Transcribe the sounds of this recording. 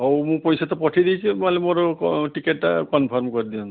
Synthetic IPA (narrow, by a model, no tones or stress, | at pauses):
ɔwmũpɔjsat̪ɔpɔʈʰid̪it͡ʃʰimalemoɾʈikeʈːakɔnpʰɔɾmkɔɹid̪iɔn